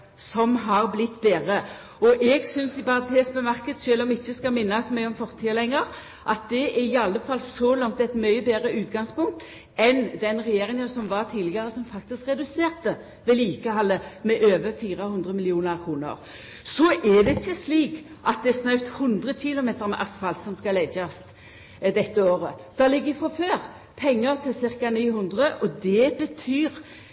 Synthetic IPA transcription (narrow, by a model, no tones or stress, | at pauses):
sɔmɦɑʁblɪt̪ːbeːʁə | ɔʔɛɡsʏnsɪpɑʁɑt̪ʰeːsbəmɑʁkəd̪ʃøːlɔmɪçːəskɑmɪnːɑsmæɪɔmfɔʁt̪ʰiːəlɛŋːəʁ | ʔɑt̪̚d̪ɛɛɾɪɑlːəfɑlːsɔlɑŋt̪ɛt̪mœʏəbeːɾəʉːt̪ɡɑŋspʊŋk̚t̪ | ɛnd̪ɛnʁɛjeːʁɪŋənsɔmʋɑʁt̪ʰiːd̪lɪɡəɾəsɔmfɑk̚t̪ɪskʁɛd̪ʉseːʁt̪ə | ʋɛliːkəhɑlːəmɛʔøːʋəfiːʁəhʉnd̪ʁəmɪlɪuːnəʁkʰʁuːnə̰ʁ | sɔʔɛd̪ɛɪçːəsliːkʔɑt̪̚d̪ɛæsnœʉt̪hʊnd̪ʁəɕɪlʊmeːt̪əɾmɛʔɑst̪fɑlt̪sɔmskɑlɛɪd͡ʒɑst̪ | d̪ɛt̪ːəoːʁəd̪̥ɑlɪɡːəɪfɾɔføːʁ | pʰɛŋːəɾt̪ʰɪlsɪʁkɑniːhʊnd̪ʁəʔɔd̪ɛbət̪ʰyːʁ